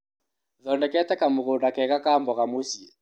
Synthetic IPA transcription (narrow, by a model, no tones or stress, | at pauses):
ðɔndɛkɛtɛkamʊɣʊndakɛkakambɔɣamosia